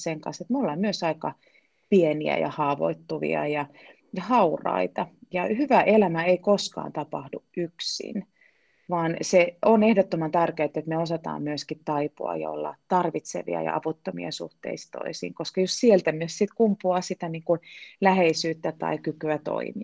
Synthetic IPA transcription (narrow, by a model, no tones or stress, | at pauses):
seŋkɑnset̪mulːɑmyøsɑikɑ | pieniæ̰jɑ̰hɑːʋo̰it̪ːuʋḭɑ̰jɑ | jɑhɑurɑ̰it̪ɑjɑhyʋæʔelæmæeikoskɑ̰ːnt̪ɑpɑhduʔʔyksḭn | ʋɑːnseonehdot̪ːomɑnt̪ærkeːt̪ːet̪meosɑt̪ɑ̰ːmmyøskit̪t̪ɑipṵɑ̰jɑ̰o̰lːɑ̰t̪tɑrʋit̪sḛʋḭɑ̰jɑ̰ʔɑ̰ʋut̪ːomḭɑ̰sṵht̪ḛist̪o̰isḭːŋkoskɑjossielt̪æmyøssit̪kumpːuɑsit̪æniːŋkulæheisyːt̪ːæt̪ɑ̰ikykyæt̪o̰imi